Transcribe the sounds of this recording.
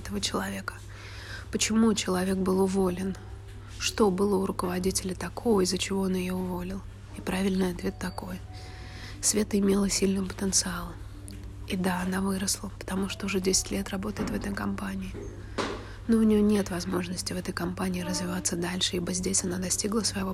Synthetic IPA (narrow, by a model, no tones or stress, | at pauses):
ɛt̪əvət͡ɕɪlˠɐvʲe̞kə̥ | pət͡ɕɪmut͡ɕɪlˠɐvʲe̞k̚bɨlˠʊvo̞lʲɪn | ʂt̪o̞bɨlˠəʊɾʊkəvɐdʲitʲɪlʲɪt̪ɐkʰo̞vəzət͡ɕɪvo̞onjɪjo̞ʊvo̞lʲɪlˠ | ipɾavʲɪlʲnɨjɐt̪vʲe̞t̪ːɐko̞j | svʲe̞t̪ɨɪmʲe̞lˠəsʲilʲnɨvəpə̥t̪ənt̪sɨalˠʊ | id̪aɐnavɨɾəslˠəpə̥t̪ɐmuʂt̪oʊʐɛdʲesʲɪ̥tʲlʲe̞t̪rɐbo̞t̪əjɪt̪vɛt̪əjkɐmpanʲɪɪ | noʊnʲɪjo̞nʲe̞t̪vɐzmo̞ʐnəsʲtʲɪvɛt̪əjkɐmpanʲɪːɾəzvʲɪvat̪səd̪alʲʂɨibəzʲdʲesʲɐnad̪ɐsʲtʲiɡlˠəsvəjɪvo̞